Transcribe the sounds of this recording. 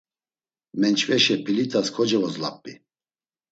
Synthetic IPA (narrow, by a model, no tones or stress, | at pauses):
mɛnt͡ʃʰvɛʃɛpʰilit̪ʰʼaskʰɔd͡ʒɛvɔzlapʼːi